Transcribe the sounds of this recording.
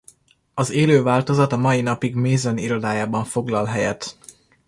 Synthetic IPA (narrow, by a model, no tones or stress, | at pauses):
ɒzeːløːvaːlt̪o̞zɒt̪ɒmɒjinɒpiɡmeːzoniɾo̞d̪aːjaːbɒɱfo̞ɡlɒlɦɛjɛ̰t̪